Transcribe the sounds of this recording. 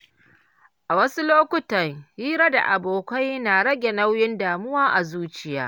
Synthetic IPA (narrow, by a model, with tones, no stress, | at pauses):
ʔa˨wɐ˦su˦loː˦kʷʊ˦tɐ˨ŋhiː˦ɾa˦da̰˨ʔa˨boː˨kʷa˦jnaː˨ɽɐ˦ɡʲe˨nɐ˦wjɪ˦ndaː˨mʊ˦waː˦ʔa˨zuː˦t͡ʃɪ˨jaː˦